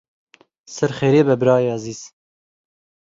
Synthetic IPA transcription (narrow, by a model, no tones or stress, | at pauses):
sɨɾχeːɾeːbɛbɨɾɑːeɑziːz̥